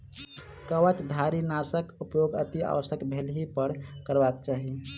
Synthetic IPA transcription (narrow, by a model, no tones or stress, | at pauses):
kəʋət͡ʃd̪ʱaɾinaːsəkupjoɡət̪ia̰ːʋəsəkbʱelɦipəɾkəɾbakt͡ʃaːɦi